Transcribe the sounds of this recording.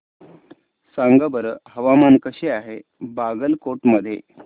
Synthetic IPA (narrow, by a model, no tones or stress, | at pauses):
saŋɡəbəɾəɦəʋamankəɕeaɦebaɡəlkoʈməd̪ʱːjḛ